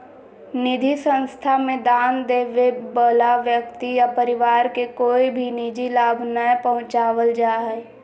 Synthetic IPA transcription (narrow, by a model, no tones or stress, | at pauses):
nɪd̪ʱisə̃nst̪ʰamẽd̪aːnd̪eːʋebəlaʋjəkt̪ijapəɾɪʋaːɾkekoːibʱinid͡ʒilaːbʱnaɛpəɦʊ̃t͡ʃaːwəld͡ʒaːɛ